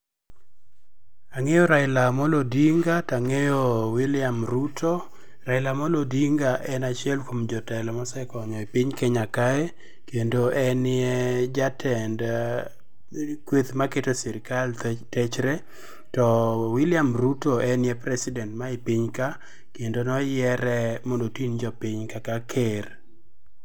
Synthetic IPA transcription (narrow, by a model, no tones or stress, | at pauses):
aŋejɔɾaɪlamɔlodiŋɡataŋejɔwilɪamɾutʰɔ | raɪlamɔlodiŋɡaʔɛnat͡ʃɪɛlkwomd͡ʒɔtɛlɔmɔsɛkɔɲɔipɪɲkɛɲakaɛ | kendoʔɛnɪɛd͡ʒatʰɛnd | kwet̪maketosiɾɪkaltɛt͡ʃɾɛ | tɔwɪlɪamɾutoʔɛnɪɛpɾɛsɪdɛntmaɪpiɲka | kendonɔjɛɾɛmɔndotind͡ʒɔpɪɲkakakʰer